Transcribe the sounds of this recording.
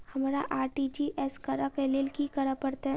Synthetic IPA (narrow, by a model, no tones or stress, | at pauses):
hɐmːɾaʔaːɾʈid͡ʒiʔɛskəɾakelelkikɐɾapəɾt̪aɦɛ